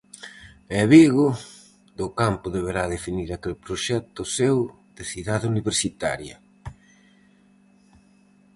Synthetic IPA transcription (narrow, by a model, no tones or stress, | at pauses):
ɛβiɣʊ | d̪ʊkampʊðeβ̞eɾaðefiniɾakelpɾoʃɛt̪ʊsew | ð̥eθiðaðɪuniβeɾsit̪a̰ɾjɐ